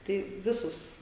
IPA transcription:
tɐɪ ˈʋʲɪsʊs

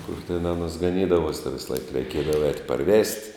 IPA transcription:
kʊr tʲɛn ˈɑːnuɔs ɡɐˈnʲiːdɐʋuɔs tʲɛn ʋʲɪsˈlˠɐɪk rʲɛɪˈkʲiɛdɐʋoː ɛːtʲ pɐˈrʲʋʲɛsʲtʲ

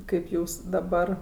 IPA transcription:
ˈkɐɪp ˈjuːs dɐˈbɐr

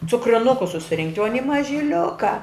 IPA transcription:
t͡sʊkrʲɪˈnʊkʊs sʊsʲɪˈrʲɪŋktʲ oː ɐˈnʲɪ mɐʒʲɪˈlʲʊkɐ

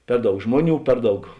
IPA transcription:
ˈpʲɛr ˌdɐʊk ˈʒmoːˌnʲuː ˈpʲɛr ˌdɐʊk

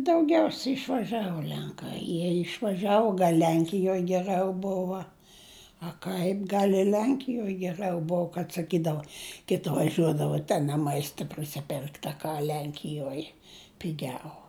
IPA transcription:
dɐʊˈɡʲɛʊsʲɛ ɪʃʋɐˈʒʲæːʋoː ˈlʲɛŋkɐɪ ˈjiɛ ɪʃʋɐˈʒʲæːʋoː ˈlʲɛŋʲkʲɪjoːj ɡʲɛˈrɨɐʊ ˈboːʋɐ ɐ ˈkɐɪp ˈɡɐlˠ ɪ ˈlʲɛŋʲkʲɪjoːj ɡʲɛˈrɨɐʊ ˈboːw kɐt sɐˈkʲiːdɐʋoː ˈkʲɪtʲɪ ʋɐˈʒʲuɔdɐʋɐ tʲɛn ɐ ˈmɐɪstɐ pʲrʲɪsʲɪˈpʲɛrkt ɐ ˈkɐ ˈlʲɛŋʲkʲɪjuɔj pʲɪˈɡʲɛʊ

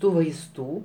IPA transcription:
ˈtuː ʋɐɪsˈtuː

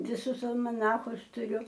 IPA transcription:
ʋʲɪˈsʊs ɐlˠmɐˈnɑːxʊs tʊˈrʲʊ

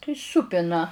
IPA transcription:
tɐɪ ˈsuːpʲɪnɐ

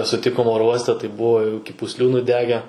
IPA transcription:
sʊˈtʲɪkoːm ˈoːroː ˈuɔsʲtʲɛ tɐɪ ˈbʊʋoː jɛʊ ɪkʲɪ pʊsʲˈlʲuː nʊˈdʲæːɡʲɛ

